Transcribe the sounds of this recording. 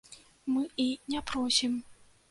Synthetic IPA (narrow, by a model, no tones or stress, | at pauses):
mɨinʲɛpɾɔsʲim